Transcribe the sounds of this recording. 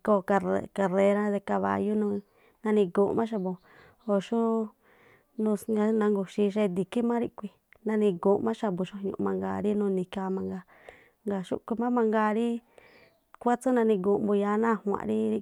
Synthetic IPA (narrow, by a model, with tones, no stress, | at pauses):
ko˧˨ka˧e˧˨ka˧ɾe˧ɾã˦ðe˧ka˧βa̰˧˨ju˦nũ˧ | nã˧nĩ˧ɡu˧˨˧mã˦ʃ̬a˧bo˧ | o˧ʃu˦ | nũ˧ŋa˧nã˧ŋɡu˧ʃi˧ʃe˦˧d̪i˨ki˦mã˦ɾi˧ʔkʷi˧ | nã˧nĩ˧ɡu˨˧mã˦ʃa˧bu˨ʃu˦˧ɲṵ̃˧ʔmã˧ŋɡa̰˧˨ɾi˦nũː˧nĩ˧ka˧mã˧ŋɡa˧ | ŋɡa˨ʃṵ˦kʷi˧mã˦mã˧ŋɡa˧ɾi˦ | kʷa˦t͡su˦nã˧nĩ˧ɡu˧mbu˧ja˧˦nã˦˨hwã̰˨ʔɾi˦i˧